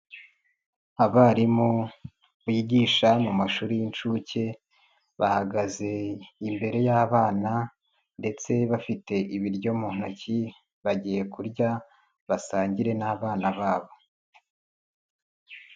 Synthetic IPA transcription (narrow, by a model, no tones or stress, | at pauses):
aβaɾimu | βiiɟiʃamumaʃuːɾijint͡ʃuce̞ | βahaɡaze̞imbe̞ɾe̞jaːβaːna | nde̞t͡se̞βafite̞ʔiβiɾɟo̞muːn̥oci | βaɟiːje̞kuɾɟa | βasaːɲɟiɾe̞naːβaːnaβaːβo̞